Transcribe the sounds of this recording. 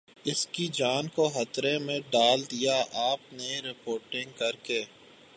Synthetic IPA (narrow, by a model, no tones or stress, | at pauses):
ɪskid͡ʒaːnkoɦɐt̪ɾẽmẽɖaːld̪ijaʔaːpneɾɪpoːɾʈɪ̃ŋɡkɐɾkeː